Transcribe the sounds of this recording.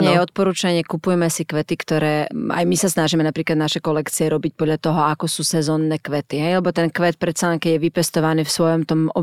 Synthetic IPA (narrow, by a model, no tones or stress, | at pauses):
ɲɛjɛɔt̪̚pɔɾuːt͡ʃaɲɪɛkupujɛmɛsikʋɛt̪ikt̪ɔɾɛːa̰jmisasnaʒimɛnapɾiːklad̪naʃɛkɔlɛkt͡siɛɾɔbic̚pɔd̪ʎat̪ɔɦɔakɔsuːsɛzɔːnːɛːkʋɛt̪iɦɛjlɛbɔt̪ɛnkʋɛt̪̚pɾɛt̪salɛnŋkɛɟjɛʋipɛst̪ɔʋaniːfsʋɔjɔmt̪ɔmɔ